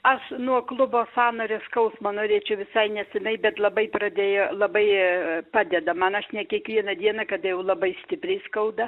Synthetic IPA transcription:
ɐʃnuɔklˠʊboːsɑːnoːɾʲeskɐʊsmɐnoːɾʲeːt͡ʃʲɛʊʋʲɪsɐɪnʲɛsʲɪnɐɪbʲɛt̪lˠɐbɐɪprɐd̪ʲeːjolˠɐbɐɪpɑːd̪ʲɛd̪ɐmɐnɐʃnʲɛkʲiɛkʋʲiɛnɐd̪ʲiɛnɐkɐd̪ɐjɛʊlˠɐbɐɪsʲt̪ʲɪpʲɾʲɛɪskɐʊd̪ɐ

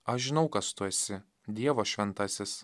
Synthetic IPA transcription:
ɐʃʒʲɪnɒʊkɐst̪uɛsʲɪ | d̪ʲiɛʋoːʃʲʋʲɛnt̪ɑsʲɪs

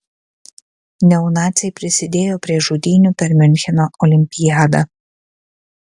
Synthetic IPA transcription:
nʲɛʊnɑːt̪sʲɛɪpʲɾʲɪsʲɪd̪ʲeːjoːpʲɾʲiɛʒuːd̪ʲiːnʲʊpʲɛɾʲmʲɪnʲxʲɛnoːʔɔlʲɪmʲpʲɪjaːd̪ɐ

